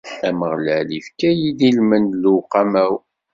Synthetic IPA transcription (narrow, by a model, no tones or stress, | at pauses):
ħæməʁləʕlifkæjid̪ilmənluqɑmæw